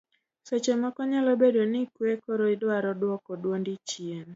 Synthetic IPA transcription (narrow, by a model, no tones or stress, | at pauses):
sot͡ʃemɔkɔɲalɔbedonɪkwekɔɾoidaɾɔdwɔkɔdwondit͡ʃien